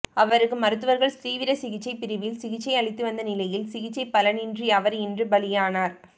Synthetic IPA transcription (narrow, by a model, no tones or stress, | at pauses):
ɐʋɐɾɯkːɯmɐɾɯt̪̬ːɯʋɐɾɣɐɭsɾiːʋɪɾɐsɪɣɪt͡ʃːɐɪpːɪɾɯʋɪlsɪɣɪt͡ʃːɐɪɐɭɪt̪ːɯʋɐnd̪ɐnɪlɐjɪlsɪɣɪt͡ʃːɐɪpːɐlɐnɪndriɐʋɐɾɛndrɯbɐlɪjaːnaːɾ